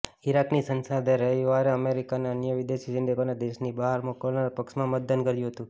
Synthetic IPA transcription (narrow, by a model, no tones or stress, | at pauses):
iɾaknisənsad̪ʱeɾəʋaɾeəmeɾikanaənjəʋɪd̪eʃid͡ʒɪnɖekonad̪eʃnibaɦaɾmokəlnaɾpəkʃmãmət̪̚d̪ənkəɾjũɦət̪ũ